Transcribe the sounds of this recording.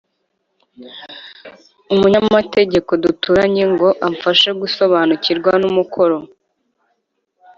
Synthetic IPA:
umuɲamate̞ɟe̞ko̞dutuɾaɲe̞ŋɡo̞ʔaɱfaʃeɡuso̞βaːnuciɾɡwanumukʰo̞ɾo̞

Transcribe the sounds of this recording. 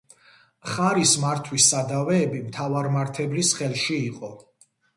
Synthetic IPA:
χaɾismaɾt̪ʰwisːad̪avɛːbimt̪ʰavaɾmaɾt̪ʰɛbɾisχɛlʃiːqʼɔ

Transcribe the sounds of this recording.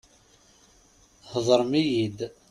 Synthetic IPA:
həðˤəɾˤmijid̪

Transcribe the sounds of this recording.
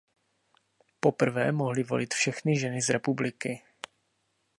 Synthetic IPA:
po̞pr̩vɛːmo̞ɦlɪvo̞̰lɪt̪fʃɛxnɪʒɛnɪzɾɛpublɪkɪ

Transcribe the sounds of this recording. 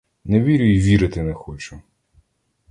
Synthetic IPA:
nɛʋʲiɾʲʊiʋʲiɾɪt̪ɪnɛxɔt͡ʃʊ

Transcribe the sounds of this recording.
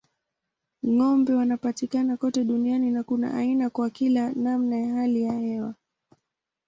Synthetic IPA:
ŋɔmbɛwanapatikanakɔtɛɗunianinakuna̰ʔainakwakilanamnajaɦalijahɛwa

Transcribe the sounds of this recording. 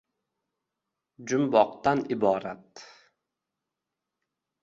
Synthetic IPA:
d͡ʒʊmbɒqt̪anɪbɒːɾat̪

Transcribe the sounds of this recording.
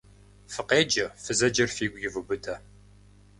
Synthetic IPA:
fɨqeːd͡ʒɐfɨzɐd͡ʒɐrfiːɡʷjɪvɨbɨtʰɐ

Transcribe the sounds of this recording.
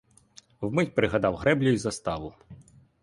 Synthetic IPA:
wmɪtʲpɾɪɦɐd̪ɑwɦɾɛblʲɔjizɐst̪ɑʋʊ

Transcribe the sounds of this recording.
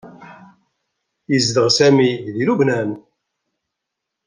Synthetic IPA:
jəzd̪əʁsæmiðilubnæn

